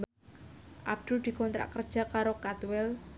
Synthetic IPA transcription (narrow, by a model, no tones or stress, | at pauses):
b | ʔab̚d̪̥uld̪̥i̤kɔnt̪ɾa̰ʔkərd̥ʒ̥a̤kaɾokat̪wɛl